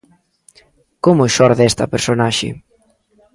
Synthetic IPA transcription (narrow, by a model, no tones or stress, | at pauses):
komʊʃɔɾðɛst̪ɐpeɾsonaʃɪ̰